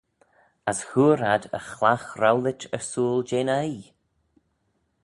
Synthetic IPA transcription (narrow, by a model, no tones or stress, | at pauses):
ashuːɾadə̰xlaxɾawlɪtəsuːlˠd͡ʒeːnaj